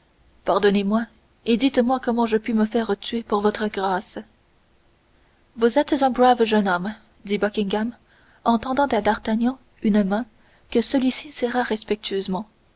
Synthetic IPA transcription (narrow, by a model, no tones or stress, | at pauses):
paʁd̪ɔnemwa | ed̪it̪mwakɔmɑ̃ʒəpɥiməfɛːʁət̪ɥepuʁvɔt̪χəɡʁaːs | vuzɛt̪zɛ̃bʁavʒənɔm | d̪ibɔkʲĩŋɡam | ɑ̃t̪ɑ̃d̪ɑ̃t̪ad̪aʁt̪aɲjɑ̃ | ynmɛ̃ | kəsəlɥisisɛʁaʁɛspɛk̚t̪ʰɥyøzmɑ̃